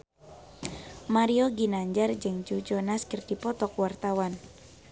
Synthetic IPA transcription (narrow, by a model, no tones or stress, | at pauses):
maɾioɡinaɲd͡ʒard͡ʒəŋd͡ʒud͡ʒɔnaskərd̥ipɔt̪ɔkwart̪awan